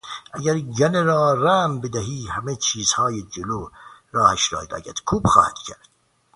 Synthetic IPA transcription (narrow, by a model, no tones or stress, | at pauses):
ʔæɡæɾɟæneɾɒːræmbed̪æɦiːhæmet͡ʃʰiːzhɒːjed͡ʒeloːɾɒːhæʃɾɒ̰ːhid̪æ̰ɟæt̪kʰuːbxɒ̰ːhæd̪̥cʰæɾd̪̥